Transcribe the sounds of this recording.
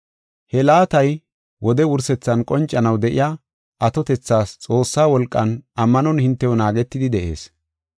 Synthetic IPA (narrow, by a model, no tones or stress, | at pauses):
hɛlaːt̪ɐj | wɔd̪ɛwʊɾsɛt͡sːɐnkʼɔnt͡ʃʼːɐnɐwd̪ɛʔɪ̰ja | ʔɐt̪ɔt̪ɛt͡sːaːst͡sʼo̞ːsːaːwɔlkʼːɐnɐmːɐnɔnhɪnt̪ːɛwɔnaːɡɛt̪ːɪd̪ɪd̪ɛʔe̞̰ːs